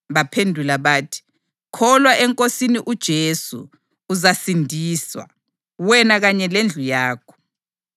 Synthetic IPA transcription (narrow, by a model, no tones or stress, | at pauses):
βapʰendʱulaβaːtʰi̥ | kʰɔlwaʔɛŋkʼosiniʔud̥ʒ̥ʱesṵː | zasindʱiːswa̰ | wɛnaɣaɲɛlend͡ɮʱujaːkʰɔ̥